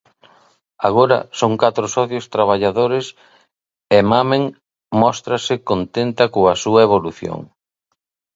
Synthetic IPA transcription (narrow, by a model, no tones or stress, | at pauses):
aɣ̞oɾɐ̰soŋkat̪ɾʊsɔθjʊst̪ɾaβ̞aʎaðoɾɪs | emameŋ | mɔst̪ɾɐsɪkont̪ent̪ɐkoɐsuɐeβ̞oluθjo̰ŋ